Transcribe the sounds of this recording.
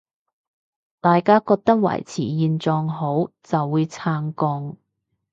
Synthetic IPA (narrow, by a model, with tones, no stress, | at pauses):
t̪aː˨jkaː˥kɔː˧k̚t̪ɐ˥k̚wɐ̰˨˩jt͡sʰiː˨˩jiː˨˧nt͡sɔː˧ŋɦo˨˥wt͡sɐ˨wːuː˨˧jt͡sʰaː˧ŋkɔː˧ŋ